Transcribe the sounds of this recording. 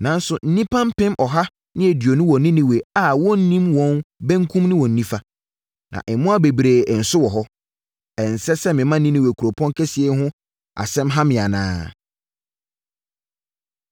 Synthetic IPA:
nã˨˦n̩˦sʊ˨n̩˦nĩ˦pʰã˦m˦pɪ̃˦mʔɔ˨ɦa˦ | nɪ̃˦e˨di˨o˨nʊ̃˦wɔ̃˨nɪ̃˦nɪ̃˦˨we˨a˨wɔ˦n̩˦nĩ˦mwɔ̃˦nbæ̃˦ŋ˦kʰũ˦mnɪ̃˦wɔ̃˨n̩ː˨˦ĩ˦fa˦ | nã̰˨ʔɪ˨mʊ̃˦a˦be˨bi˨ɾe˨n̩˨sʊ˦wɔ˨ɦɔ˦ | ɛ˨n̩˨sɛ˦sɛ˦mɪ̃˨mã˦nɪ̃˦nɪ̃˦we˨kʰu˨ɾo˨pʰɔ̃˦ŋ˦kʰɛ˦si˨˦e˦ɦʊ̃˦ | a̰˨sɛ̃˦mɦa˦mɪ̃˨a˨nã̰ː˦

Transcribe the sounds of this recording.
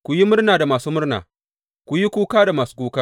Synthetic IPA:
kʷu˨ji˦mʊ˦rnaː˨da˨maː˨suː˦mʊ˦rna̰ː˨ | kʷu˨ji˦kʷuː˦kaː˦da˨maː˨su̥˦kʷuː˦kaː˦

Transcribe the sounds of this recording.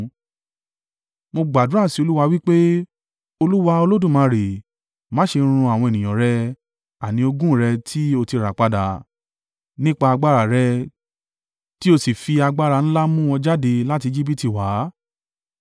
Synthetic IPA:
mo˧ɡ͡ba˨dũ˨˦a˦˨si˨˦o˧lu˦wa˧wi˦k͡pe˦ | o˧lu˦wa˧o˧lo˦dũ˦˨mã˨˧ɾe˨ | mã˨˦ʃe˧ɾ̃ũ˧a˨w̃ɔ̃˧e˨nĩ˨j̃ã˨ɾɛ˧ | a˨nĩ˧o˧ɡũ˦ɾɛ˧tʰi˦o˧ti˧ɾa˨k͡pa˧da˨ | nĩ˦k͡pa˧a˧ɡ͡ba˦ɾa˨ɾɛ˧ | ti˦o˧si˨fi˧a˧ɡ͡ba˦ɾa˧˨ñ̩˦la˦mũ˦wɔ̃˧d͡ʒa˦de˧la˦ti˧d͡ʒi˦b̬i˦ti˨wa˨˦

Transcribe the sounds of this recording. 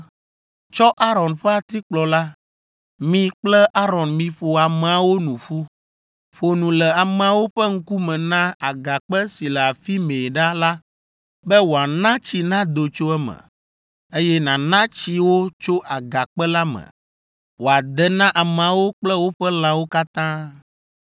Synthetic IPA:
t͡ʃɔ˦ʔa˦ɾɔ˨nɸɛ˦a˨t̪i˦k͡plɔ˨la˦ | mĩ˦k͡plɛ˦ʔa˦ɾɔ˨nmĩ˨ɸo˨a˨mɛ˨a˨wo˦nũ˨ɸu˦ | ɸo˨nũ˨lɛ˨a˨mɛ̃˨a˨wo˦ɸɛ˦ŋ̩˦ku˦mɛ̃˨nã˦a˨ɡa˨k͡pɛ˦si˨lɛ˨a˨fi˦mẽ˨ɖa˦la˦ | bɛ˦wo˨a˨nã˦t͡ɕi˨nã˦d̪o˨t͡ʃo˦ɛ˦mɛ̰̃˨ | e˦jɛ˦nã˨nã˦t͡ɕi˦wo˦t͡ʃo˦ʔa˨ɡa˨k͡pɛ˦la˦mɛ̰˨ | wo˨a˨d̪ɛ˨nã˦ʔa˨mɛ˨a˨wo˦k͡plɛ˦wo˦ɸɛ˦lã˦wo˦ka˦t̪ã˦

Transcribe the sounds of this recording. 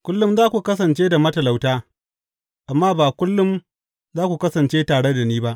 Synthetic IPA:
kʷʊ˦lːʊ˦mzaː˦kʷu˨kɐ˦s̬ɐ˨nt͡ʃeː˦da˨mɐ˦tɐ˨la˨wtaː˦ | ʔa˨mːaː˦baː˨kʷʊ˦lːʊ˦m | zaː˦kʷu˨kɐ˦sɐ˨nt͡ʃeː˦taː˨ɽe˦da˨niː˦ba˦ʔ

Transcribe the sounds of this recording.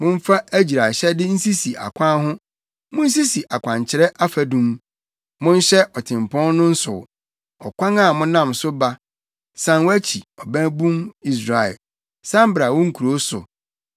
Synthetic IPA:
mʊ̃˦m̩˦fa˦æ˦d͡ʑi˨ɾa˨ɕɛ˦dɪ˦n̩˦si˦si˨ʔa̰˨kʰʷã˦ɦʊ̃˦ | mʊ̃˦n̩˦s̬i˦si˨ʔa˨kʷʰã˨ɲt͡ɕʰɪ˨ɾɛ˦ʔa˦fæ˨dũ˦m | mʊ̃˦n̩˦ɕɛ˦ʔɔ˨tʰɪ̃˨mpʰɔ̃˦n˦nʊ̃˦n̩˦sʊ̰˨ | ɔ˨kʷã˦ŋa˦˨mʊ̃˦nã˦˨msʊ˦ba˦ | sã˦nwæ˦t͡ɕʰi˨ɔ˨bæ̃˦bũ˦mi˦s̬ɾa˨ɛ̰˨ | sã˦m̩˦bɾa˨wɔ̃˦ŋ̩˨kʰu˨ɾo˦sʊ̰˨

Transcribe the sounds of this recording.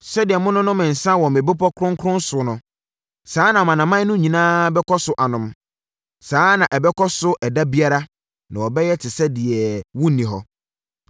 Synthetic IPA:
sɛ˦dɪ˨ɛ˨mʊ̃˦nʊ̃˦nʊ̃˦mɪ̃˨n̩˨sã˦wɔ̃˨mɪ̃˨bɪ˦pɔ˦kʰɾʊ̃˦ŋkʰɾʊ̃˦n˦sʊ˨nʊ̃˨ | saː˨˦nã˨mã˨nã˨mã˦nʊ̃˦ɲĩ˨nãː˦bɛ˦kʰɔ˦sʊ˦ʔa˨nʊ̃˨m | saː˨˦nã˨ʔɛ˨bɛ˦kɔ˦sʊ˦ʔɛ˨da˦bi˦a˦ɾa˦ | nã˨wɔ˨bɛ˦jɛ˦tʰɪ˨sɛ˦dɪ˨ɛ˨wʊ̃˦˨nĩ˨ɦɔ˨

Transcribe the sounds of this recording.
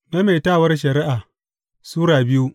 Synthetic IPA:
me˦meː˨taː˦˨wɐ˦rʃ̬ɐ˨ɾɪ˦ʔaː˨ | suː˦ɾaː˨bɪ˦ju˦

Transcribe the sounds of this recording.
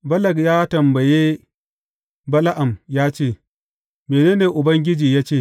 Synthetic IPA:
bɐ˦lɐ˨ɡjaː˦tɐ˨mbɐ˨jeː˦ | bɐ˦la˦ʔa˨mjaː˦t͡ʃeː˦˨ | meː˨neː˦neː˨ʔʊ˨bɐ˦ŋɡʲɪ˦d͡ʒiː˨jaː˦t͡ʃeː˦˨

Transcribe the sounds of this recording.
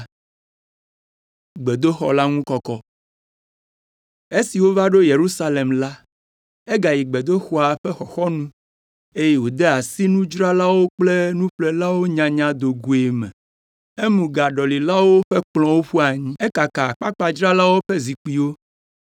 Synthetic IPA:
ɡ͡be˨d̪o˦xɔ̰˨la˦ŋũ˦kɔ˦kɔ˦ | e˦si˨wo˦va˦ɖo˦je˨ɾu˦sa˦le˨mla˦ | e˦ɡa˨ji˨ɡ͡be˨d̪o˦xɔ˨a˨ɸɛ˦xɔ˨xɔ˦nũ˦ | e˦je˦wo˨d̪e˦a˨si˦nũ˦d͡ʒɾa˦la˦wo˦k͡ple˦nũ˦ɸle˦la˦wo˦ɲã˨ɲã˨d̪o˨ɡu˨e˨mɛ̰̃˨ | e˦mũ˨ɡa˨ɖɔ˨li˨la˦wo˦ɸe˦k͡plɔ̃˨wo˦ɸu˦a˨ɲĩ˦e˦ka˨ka˨k͡pa˦k͡pa˨d͡ʒɾa˦la˦wo˦ɸe˦zi˨k͡pi˨wo˦

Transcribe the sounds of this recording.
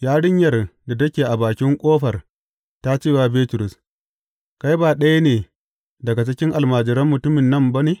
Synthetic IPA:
jaː˦ɽɪ˦ɲjɐ˦˨rda˨tɐ˦kʲeː˨ʔa˨baː˨kʲɪ˦ŋkʷʼoː˦ɸɐ˨r | ta˦t͡ʃiː˦˨waː˨beː˦tʊ˨ɾʊ˨s | ka˦jbaː˨ɗɐ˦ja˦neː˨ | dɐ˨ɡa˨t͡ʃɪ˦kʲɪ˦ŋʔa˨lmaː˨d͡ʒɪ˨ɾɐ˦mːʊ˨tʊ˦mɪ˨nːɐ˦˨mba˦neː˨

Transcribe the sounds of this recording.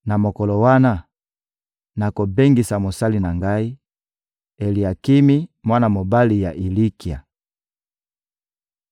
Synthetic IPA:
na˨mo˨kɔ˨lo˨wa˦na˦ | na˨ko˨be˦ŋɡi˨sa˨mo˨sa˦li˨na˨ŋɡa˦i˦ | e˨li˨a˨ki˦mi˦mwa˦na˨mo˨ba˦li˨ja˨ʔi˨li˦ki˨a̰˨

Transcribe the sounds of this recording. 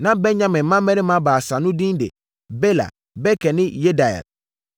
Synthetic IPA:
nã˦bɛ˦ɲã˦mɪ̃˨mã˦mɛ˦nɪ̃˦mã˦baː˨sa˨nʊ̃˦dĩ˦n˦dḛ˨ | be˦la̰˨ | bɛ˦kʰɛ˨nɪ̃˦je˦da˨ɛ̰˨l

